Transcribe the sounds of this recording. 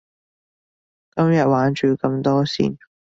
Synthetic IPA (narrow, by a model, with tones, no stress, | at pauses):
kɐ˥mjɐ˨t̚waː˨˥nt͡ʃyː˨kɐ˧mt̪ɔː˥sḭː˨˩n